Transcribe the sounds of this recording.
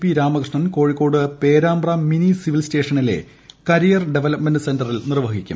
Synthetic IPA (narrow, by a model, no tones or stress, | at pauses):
piɾaːmɐkrʂɳɐnko̞ːɻikːo̞ːɽɨpe̞ːɾaːmbrɐminisiʋilste̞ːʂɐnile̞̰ | kɐɾijɐrɖe̞ʋelɐpmendɨsendɐrilnirʋɐɣikʲːṵm